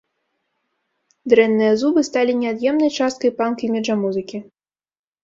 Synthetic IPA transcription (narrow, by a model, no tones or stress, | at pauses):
d̪ɾɛnːɨjɐzubɨst̪alʲinʲɛad̪jɛmnɐjt͡ʂast̪kɐjpankɐjmʲɛʐɐmuzɨkʲi